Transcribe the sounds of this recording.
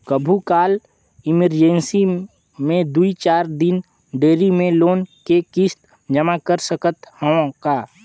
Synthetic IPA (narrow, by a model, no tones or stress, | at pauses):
kəbʱukaːl | ɪməɾd͡ʒɛ̃nsi | mẽd̪uit͡ʃaːɾd̪ɪn | ɖeːɾimẽloːnkekɪst̪ | d͡ʒəmakəɾsəkət̪həãkaː